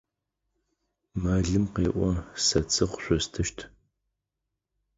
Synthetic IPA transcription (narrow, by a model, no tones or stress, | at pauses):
maɮɨmqeːʔʷɔsɐt͡sʼʰɨχʷʊɕʷɔstʰɨʃtʰ